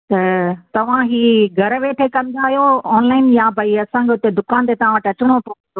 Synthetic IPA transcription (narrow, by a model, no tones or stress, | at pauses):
t̪ɐt̪ɐʋ̤ãɦiːɡʱɐɾʋeːʈʰekɐ̃nd̪aːɦijoɔːnlaːɪnjabʱɐiɐsãːŋkʰeʊt̪ed̪ʊkaːnt̪et̪ɐʋ̤ãʋəʈɐt͡ɕɪɽ̃opond̪o